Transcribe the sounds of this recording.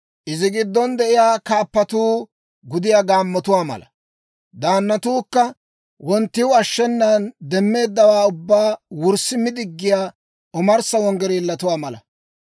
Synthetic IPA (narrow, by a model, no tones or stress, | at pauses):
ʔɪzɪɡɪd̪ːɔnd̪ɛʔɪjaːkaːpːɐt̪uː | ɡʊd̪ɪjaːɡaːmːɔt̪ʊwaːmɐ̰lɐ | d̪aːnːɐt̪uːkːɐ | wɔnt̪ːɪwʊɐʃːɛnːand̪ɛmːe̞ːd̪ːɐwaːʊbːaːwʊɾsːɪmɪd̪ɪɡːɪjaː | ʔʊmɐɾsɐwɔŋɡɛɾilːɐt̪ʊwaːmɐlɐ̰